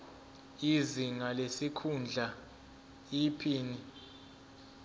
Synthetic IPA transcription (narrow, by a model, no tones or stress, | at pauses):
iziŋalesikʰund͡ɮʱa | ipʰiːni